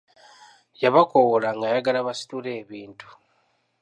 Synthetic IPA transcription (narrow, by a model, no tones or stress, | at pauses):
jaβakowolaŋɡajaɡalaβasi̥tule̞ːβiːntu̥